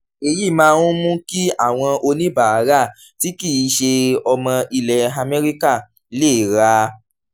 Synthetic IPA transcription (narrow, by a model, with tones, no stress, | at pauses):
e˧ji˦˨mãː˦˧ũ˦mũ˦ki˦a˦˨w̃ɔ̃˧ʔo˧nĩ˦ba˨a˨˦ɾa˦˨ | ti˨˦ki˦˨i˨˦ʃe˧ɔ˧mɔ̃˧i˧lɛ˨a˧mɛ˦ɾi˦ka˦˨˦ | le˦˨ɾa˨˦